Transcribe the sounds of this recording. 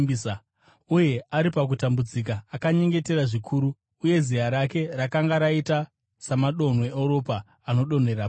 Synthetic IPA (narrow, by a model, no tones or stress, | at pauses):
sa | uje̞aɾipak̬utambud͡zik̬aːkaɲe̞ŋɡe̞te̞ɾaʐikʰuːɾuː | je̞zijaɾake̞rakaŋɡaɾaita | samaɗo̞n̤weoɾo̞paː | no̞ɗo̞n̤e̞ra